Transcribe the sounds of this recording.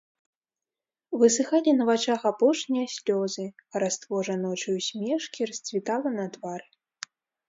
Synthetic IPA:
vɨsɨxalʲinɐvat͡ʂaxapɔʂnʲijɐsʲlʲɔzɨɐɾast̪vɔʐɐnɔt͡ʂɨjusʲmʲɛʂkʲiɾɐsʲt͡sʲvʲit̪alˠɐnɐt̪vaɾɨ

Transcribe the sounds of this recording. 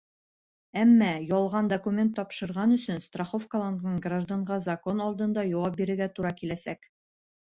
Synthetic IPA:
æmːɑjɒlˠʁɑnd̪ɐkumʲe̞nt̪ːɒpʃɤ̆ɾʁɑnɵ̆sɵnst̪raχofkɐlˠonnɤɴɡraʒd̪aɴʁɑzɐko̞nɒlˠd̪ɤ̆nd̪ɑjɒwɑp̚biɾɘ̆ɾɡæt̪uɾɑkilæsæk

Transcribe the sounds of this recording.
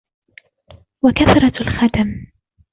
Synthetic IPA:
wakaθɾˤɑlxad̪am

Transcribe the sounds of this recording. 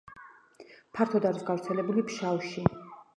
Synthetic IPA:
pʰaɾt̪ʰɔd̪aɾisɡavɾt̪sʰɛlɛbulipʰʃawʃi

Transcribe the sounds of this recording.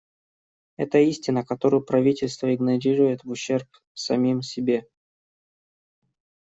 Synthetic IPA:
ɛ̰t̪əisʲtʲɪnəkɐt̪o̞ɾʊjʊpɾɐvʲitʲɪlʲst̪vəɪɡnɐɾʲiɾʊjɪt̪vʊɕːe̞rp̚ | sɐmʲimsʲɪbʲe̞

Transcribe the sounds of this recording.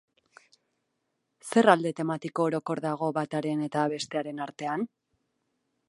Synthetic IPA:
se̞rald̪e̞t̪e̞mat̪iko̞ːɾo̞ko̞ɾðaɣ̞o̞βat̪aɾe̞ne̞t̪aβe̞st̪e̞aɾe̞naɾt̪e̞an

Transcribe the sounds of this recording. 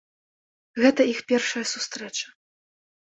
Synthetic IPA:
ɣɛt̪ɐixpʲɛrʂɐjɐsust̪ɾɛt͡ʂɐ̥

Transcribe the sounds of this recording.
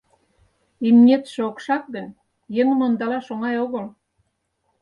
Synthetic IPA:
imnʲet̪ʃeokʃɑk̚d̪e | jəŋmond̪ɑlɑʃoŋɑjoɣəl

